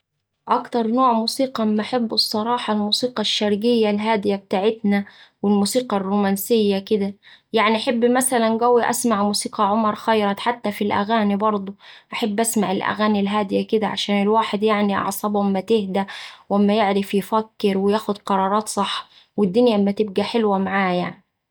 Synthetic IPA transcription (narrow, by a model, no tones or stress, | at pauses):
ʔɑkt̪ɑɾˤnoːʕmuːsiːqɑmːaʔaħabːɨsˤːɑɾˤɑːħɑlmuːsiːqɑʃːɑɾɡɪjːalɦaːd̪ɪjab̚t̪aːʕɪt̪nawɪlmuːsiːqɑrːuːmænsɪjːakɪd̪æjaʕniʔaħabːmæsælænɡæwiʔa̰smaʕmuːsiːqɑʕomɑɾˤxɑjɾˤɑt̪ħat̪ːafilʔæ̰ɣaːnibɑɾˤd̪ˤuʔaħabːʔasmaʕɪlʔæ̰ɣaːnilɦaːd̪ɪjakɪd̪æʕaʃaːnɪlwaːħɪd̪jaʕniʔɑ̰ʕsˤɑbʔamːæt̪ɪhd̪æwʔamːajɪʕɾɪfjɪfækːɪɾwɪjaːxʊd̪qɑɾˤɑːɾˤɑːt̪sˤɑħː | wɪd̪ːʊnjaʔmːæt̪ɪb̚ɡæħɪlwamaʕaːjaʕni